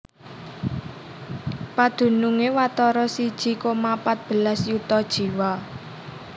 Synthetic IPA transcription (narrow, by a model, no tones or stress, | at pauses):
pad̪̥ṳnuŋewat̪ɔɾɔsid̥ʒ̥i̤komapat̪̚b̥ə̤lasjut̪ɔd̥ʒ̥i̤wa